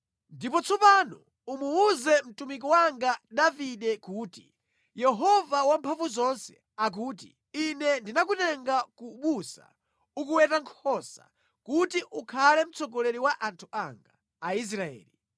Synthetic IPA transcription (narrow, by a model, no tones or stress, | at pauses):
ndipɔt͡sʰɔpanɔ | umuːzɛm̩tumik̬ɔwaŋɡaɗaviɗɛkuːtḭ | jɛɦɔvawampʰaɱvuzɔnsɛ̰ | ak̬uːt̬ḭ | inɛndinakutɛŋɡakuɓusa̰ | ukuwɛtaŋkʰɔsa̰ | kutiʔukʰalɛm̩t͡sʰɔɡɔlɛɾiwaʔantʰuʔa̰ŋɡaː | is̬ɾaɛ̰ːli